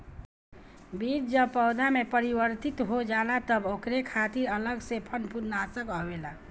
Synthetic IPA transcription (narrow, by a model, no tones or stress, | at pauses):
bid͡ʒd͡ʒəbpəʊd̪amepəɾibəɾt̪it̪ɦod͡ʒalat̪əbokɾekʰat̪iɾələɡsepʰənpud̪nasəkəwela